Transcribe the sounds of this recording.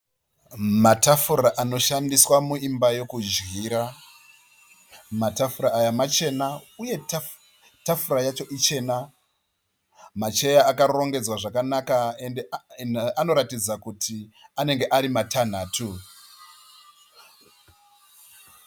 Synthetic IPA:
matafuraʔano̞ʃandiswamuimbajo̞kud͡ʒɣiːɾa | matafuɾaːjamat͡ʃe̞nauje̞ | tafuɾajat͡ʃo̞ʔit͡ʃe̞ːna | mat͡ʃe̞jaːkaro̞ŋɡe̞d͡zwaʐakanakaendeano̞ɾatid͡zakutʰiane̞ŋɡe̞ʔaɾimatʰan̤aːtʰu

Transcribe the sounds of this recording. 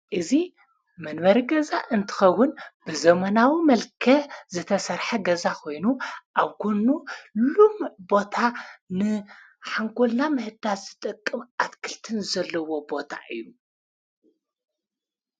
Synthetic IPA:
ʔɨzi | mɐnβɐɾiɡɐzaʔɨnt̪ʰɨ̥xɐwːʊnbɨzɐmɐnawimɐlkʰɐzɨt̪ʰɐsɐɾħɐɡɐzakʰo̞jnuʔaβkʰonulumbo̞t̪ʰanɨ | ħaŋɡʼolnamɨhɨd̪azɨt̪ʼɨkʼːɨmat̪kʰɨlt̪ʰɨnɨzɐlːɐwo̞bo̞t̪ʰa̰ʔɨ̰jːu

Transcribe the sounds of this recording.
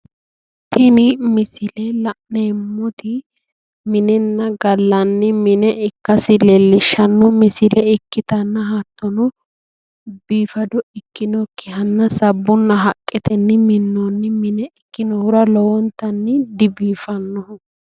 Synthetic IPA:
t̪ɛnɪmɪsɪlɛlɐʔnemːɔt̪ɪ | mɪnɛnːɐɡɐlːɐnːɪmɪnɛʔɪkːɐsɪlɛlːɪʃɐnːɔmɪsɪlɛɪkːɪt̪ɐnːɐɦaːt̪ːɔnʊ | biːfɐd̪ɔɪkːɪnɔkʰɪɦɐnːɐsɐbːʊnːɐɦɐkʼːɛt̪ɛnːɪmɪnːɔnːɪmɪnɛɪkːɪnɔhʊɾɐlɔwɔnt̪ːɐnːɪd̪ɪbiːfɐnːɔʊ

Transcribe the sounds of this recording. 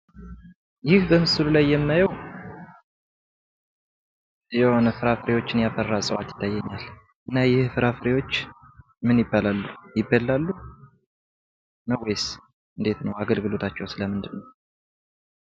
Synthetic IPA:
jɪhbəmɨsɨlulajːɛmnajəw | jɛho̞nəfɨɾafɨɾewo̞t͡ʃːɪnjafərːasʼəwat̪jɪ̥t̪ʰːajːɛɲːal | ʔɨnːajɪhfɨɾafɨɾewo̞t͡ʃː | mɨnjɪbːalalːujɪbːəlːalːu | nəwːes | ɨnd̪et̪nəwaɡəlɡɨlo̞t̪ʰat͡ʃːɛwsɨləmɨnd̪ɨnːəw

